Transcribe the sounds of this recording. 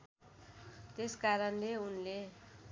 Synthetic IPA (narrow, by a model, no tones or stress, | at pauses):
t̪eskaɾʌnleunle